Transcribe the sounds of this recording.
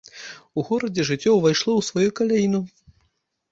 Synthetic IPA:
uɣɔɾɐd͡zʲɛʐɨt͡sʲːɔwvajʂlˠɔwsvɔjukɐlʲajinu

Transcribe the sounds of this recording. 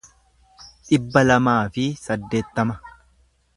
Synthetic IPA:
ᶑɪbːɐlɐmaːfɪsɐd̪ːe̞ːt̪ːɐmɐ

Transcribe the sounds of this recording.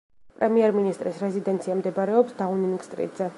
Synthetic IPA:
pʼɾɛmiɛɾminist̪ʼɾisɾɛzid̪ɛnt̪sʰiamd̪ɛbaɾɛɔpsd̪auninɡst̪ʼɾḭd̪zɛ

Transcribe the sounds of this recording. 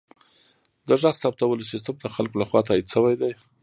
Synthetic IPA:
d̪əʒaxsɑp̚t̪awəlsist̪amd̪əxalkolaxwɑt̪ɑid̪ʃəwajd̪aj

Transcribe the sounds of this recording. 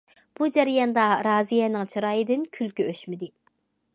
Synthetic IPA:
b̥ud͡ʒæɾijɑnd̪ɑɾɑːzijɛnɪŋt͡ʃʰɨɾɑːjɨd̪ɪnkʲʰylkʲyøʃmɪd̪ɪ

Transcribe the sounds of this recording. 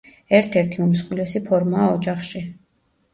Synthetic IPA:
ɛɾt̪ʰɛɾt̪ʰiumsχʼwilɛsipʰɔɾmaːɔd͡ʒaχʃi

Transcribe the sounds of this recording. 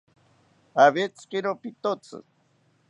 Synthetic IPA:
aβet͡skiɾopit̪ot͡sɨ̰

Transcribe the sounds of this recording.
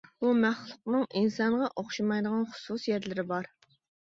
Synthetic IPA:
bumæχlˠʊqnɨŋʔinsɑɴʁɑʔoχʃimɑjd̪əʁɑnχʊ̥susjɛɾlɪɾɪbɑɾ

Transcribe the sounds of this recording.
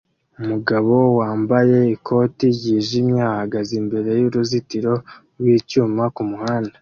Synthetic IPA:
umuɡaβo̞waːmbaje̞ikʰo̞ːtiɟiːʒimɲaahaɡazimbe̞ɾe̞juɾuzitiɾo̞ | ɾwiːcuːmakumuhaːnda

